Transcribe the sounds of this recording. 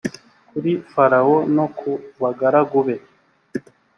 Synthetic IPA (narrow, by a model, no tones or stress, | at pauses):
kuɾifaɾawonokʰuβaɡaɾaɡuβe